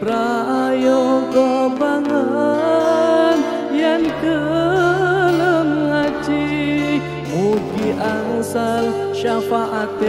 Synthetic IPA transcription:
pɾaː | joɡɔbaŋə | n | jankə | ləməŋad͡ʒi | muɡiʔanusal | ʃafaʔat̪

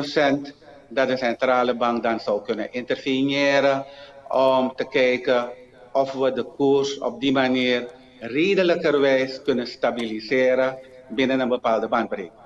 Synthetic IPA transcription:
osɛnt | dɑt̚dəsɛntraːləbɑŋk̚dɑnsɔwkønənʔɪntərfijɪːɾəɔmtəkɛjkə | ɔfʋədəkursɔ̰p̚dimaniːr | reːdələkərʋɛjskønəstabilisɪːɾəbɪnənənbəpaːlˠdəbɑnt̚brḛkə

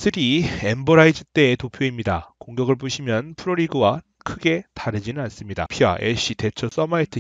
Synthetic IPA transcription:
sʰɯɾiembʌɾaid͡ʑɯt͈e̞ːtopʰjoimɲida̰koŋɡjʌɡɯɭp̬͈uɕʰimjʌnpʰɯɾoɾiɡɯwa | kʰɯɡe̞taɾɯd͡ʑinɯnans͈ɯmɲida̰pʰia̰ʔḛɕ͈ite̞t͡ɕʰʌs͈ʌmaitʰɯ

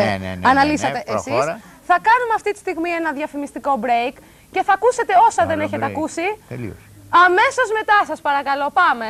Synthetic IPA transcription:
ɐnɐlisɐt̪eʔesisθɐkɐnumeɐft̪it̪i̥st̪iɣmie̞nɐðjɐfimist̪iko̞bɾe̞jk | ce̞θɐkuse̞t̪e̞o̞sɐðe̞ne̞çe̞t̪eɐkusḭ | ɐme̞so̞zme̞t̪ɐsɐspɐɾɐkɐlo̞pɐme̞

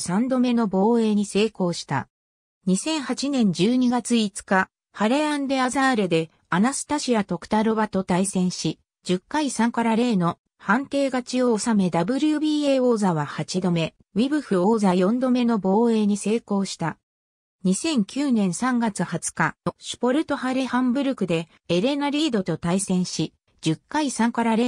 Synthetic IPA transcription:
sãnd̪o̞me̞no̞bo̞ːe̞ːɲ̟ise̞ːko̞ːɕi̥t̪a̰ | ɲ̟isẽ̞ɰ̃hat͡ɕinẽ̞ɲ̟d͡ʑɨːɲ̟iɡat͡sɨit͡sɨ̥ka | haɾe̞ãnd̪e̞azaːɾe̞d̪e̞ | anasɨ̥t̪aɕiat̪o̞kɯ̥t̪aɾo̞βat̪o̞t̪aisẽ̞ɰ̃ɕi | d͡ʑɨkːaisãŋkaɾaɾe̞ːno̞ | hãnt̪e̞ːɡat͡ɕio̞same̞d̪abɯ̟ɾʲɯɯ̟bʲiːe̞o̞ːzaβahat͡ɕid̪o̞me̞ | βibɯ̟ɸɯ̟oːzajõ̞nd̪o̞me̞no̞bo̞ːe̞ːɲ̟ise̞ːko̞ːɕi̥t̪a | ɲ̟isẽ̞ŋkʲɨːnẽ̞ɰ̃sãŋɡat͡sɨhat͡sɨ̥kaɕi̥po̞ɾɯ̟t̪o̞haɾe̞hãmbɯ̟ɾɯ̟kɯ̟d̪e̞ː | ɾe̞naɾʲiːd̪o̞t̪o̞t̪aisẽ̞ɰ̃ɕi | d͡ʑɨkːaisãŋkaɾaɾe

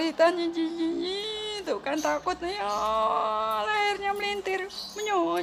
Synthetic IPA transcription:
lit̪anɲid͡ʒiɲiɲit̪ukant̪akʊt̪̚nijɔ | lahɪrɲaməlint̪ɪrməɲo

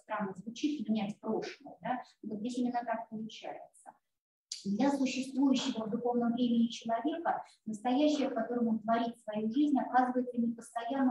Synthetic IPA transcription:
st̪ɾanːəzvʊt͡ɕit̪səvʲɪnʲætʲpɾo̞ʂlˠəjəd̪a | vot̪zdʲesʲimʲɪnːət̪akpəlˠʊt͡ɕæjɪt̪sə | d̪lʲəsʊɕːɪst̪vujʉɕːɪvəvd̪ʊxo̞vnəmvɾʲemʲɪnʲɪt͡ɕɪlˠɐvʲe̞kə | nəst̪ɐjæɕːɪjəfkɐt̪o̞ɾəmont̪vɐɾʲit̪svɐjuʐɨzʲnʲɐkazɨvəjɪt̪sənʲɪpəst̪ɐjanːə

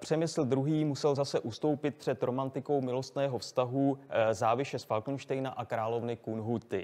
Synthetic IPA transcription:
pr̥ɛmɪsl̩d̪ɾuɦiːmusɛlzasɛʔust̪o̞wpɪt̪̚pr̝̥ɛt̪ɾo̞mant̪ɪko̞wmɪlo̞st̪nɛːɦo̞fst̪aɦuzaːvɪʃɛsfalkn̩ʃt̪ɛjnaʔakɾaːlo̞vnɪkunɦut̪ɪ

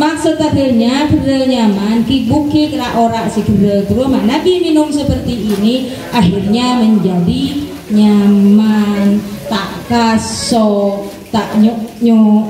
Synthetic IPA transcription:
maksut̪̚adəlɲadəɾəlɲamankibukekɾaʔoɾaʔsəɡəɾət̪əɾʊmanakiminʊmsəpərt̪iːni | ʔaxirɲaməɲd͡ʒadi | ɲammant̪aʔkasɔ | t̪aʔɲɲo

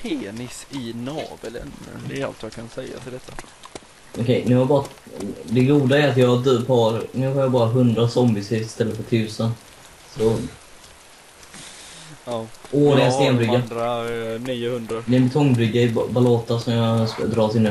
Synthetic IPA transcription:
pʰeːnɪsɪnɑ̰ːblɛ̰n̰ɛa̰lt̪jɑkʰansɛjːa̰ɪd̪ɛt̪ʰːa | ʔɔkʰɛjnʉ̟ːhaɾbɑːɾad̪ɛɡuːd̪aɛɾat̪jɑd̪pɑɾnʉ̟ːɦaɾjɑbɑːɾaɦɵnd̪ɾasɔmbɪsɪɾɪst̪ɛlːət̪fœʈtʰʉ̟ːsən | sɔ | oːlɪɡast̪eːnbɾʏɡːa | hɵnd̪ɾd̪ɛɛnbɛt̪ʰɔŋːbɾʏɡːaɪbalɔːt̪asɔmjɑd̪ɾɑːsɪnːə

